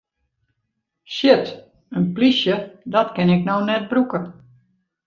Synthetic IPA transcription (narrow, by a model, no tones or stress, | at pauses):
ʃɪt | ənplisjədɔtkɪnɪknownɛt̚brukə